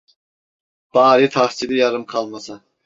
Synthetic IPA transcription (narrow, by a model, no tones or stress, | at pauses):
b̥ɑːɾit̪ʰɑχt͡ʃʰid̪ɪjɑɾɨmqʰɑlˠmɑsɑ